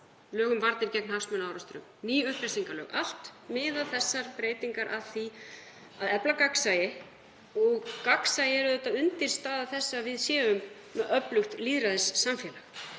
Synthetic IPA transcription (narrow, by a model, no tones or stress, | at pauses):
lœːɣʏmvaɾt̪nɪɾcɛknhafsmʏnaːwɾast̪ɾʏ̰mniːʏhpɾɪ̥siŋkalœ̰ɣa̰l̥t̪mɪðaðθɛsːaɾ̥pɾeːjt̪iŋkaɾʔaðθi | aðɛplakaksajɪ | ɔɣkaksajɪɛɾʏðɛht̪aʏnt̪ɪɾ̥st̪aːðaθɛsːavɪðsjɛːʏm | mɛðœplʏxt̪liðɾaðɪsːamfjɛːla